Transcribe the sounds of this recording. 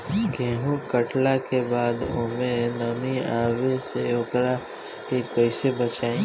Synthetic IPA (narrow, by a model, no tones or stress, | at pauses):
ɡʱɛ̃ːɦũkəʈlakebaːd̪o̰ːmẽnɐmĩaːweseokɾa | kepɛɪsebət͡ʃaːẽː